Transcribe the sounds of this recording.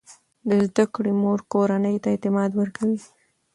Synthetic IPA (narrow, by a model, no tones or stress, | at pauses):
d̪əzd̪akɽimoɾkoɾanəjt̪aet̪ɪmɑd̪wəɾkʰawi